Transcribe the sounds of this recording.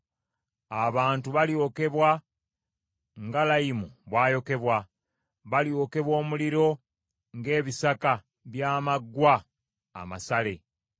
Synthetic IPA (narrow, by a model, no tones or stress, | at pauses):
aβaːntuβaljo̞ːke̞βwa | ŋɡalajimuβwaːjo̞ke̞βwa | βaljo̞ke̞βwo̞ːmuliɾo̞ | ŋɡe̞ːβisaka | βjaːmaɡːwa̰ː | ma̰sale̞